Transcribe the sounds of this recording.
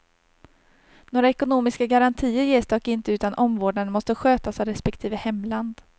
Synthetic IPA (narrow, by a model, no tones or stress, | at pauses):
noːɾaɛkʊnuːmɪskaɡaɾant̪ʰiːəɾjeːsd̪ɑːkɪnt̪əʉ̟ːt̪anʔɔmvoːɖɳaɾmɔst̪əɧøːt̪asɑɾɛspɛkt̪ʰiːvəhɛmːland̪